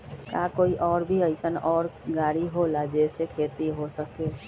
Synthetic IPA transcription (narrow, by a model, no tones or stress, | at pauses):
kaːkoːiʔɔːɾbʱiəɪsənɔːɾɡaːɽiɦolad͡ʒɛːsekʰeːt̪iɦosəkeː